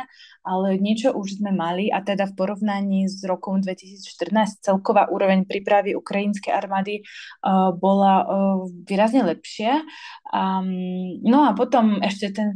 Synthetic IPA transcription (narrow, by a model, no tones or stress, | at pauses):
alɛɲɪɛt͡ʃɔʔuʒzmɛmaliʔat̪ɛd̪afpɔɾɔʋnaɲiːzɾɔkɔmd̪ʋɛcisiːt͡sʃt̪ər̩naːst͡sɛlkɔʋaːʔuːɾɔʋɛɲpɾiːpɾaʋiʔukɾajinskɛjʔaɾmaːd̪i | bɔlaʋiːɾazɲɛlɛpʃɪaa | nɔapɔt̪ɔmɛʃcɛt̪ɛn